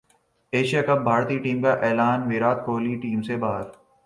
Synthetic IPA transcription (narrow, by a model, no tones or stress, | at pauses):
eːʃijaːkɐb̚bʱaːɾt̪iːʈiːmkaʔɛːlaːnʋiːɾaːt̪̚kʰoːliʈiːmsebaːɾ